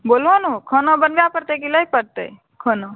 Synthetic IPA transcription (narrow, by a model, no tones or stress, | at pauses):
bolɦonukʰənobənbjapəɾt̪ekiləipəɾt̪ə̰j | kʰəno